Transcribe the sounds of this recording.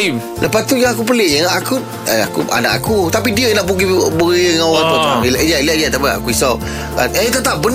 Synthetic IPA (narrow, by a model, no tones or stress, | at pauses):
lʔəpast̪ujaŋakup̬əlɪjaŋaʔaku | əa̰kṵa̰na̰ʔakut̪ap̬idiənaʔpuɡibəiəŋawat̪ut̪d͡ʒaliaɡiat̪apiʔa̰kuisa | ka̰nət̪ət̪ap̚bən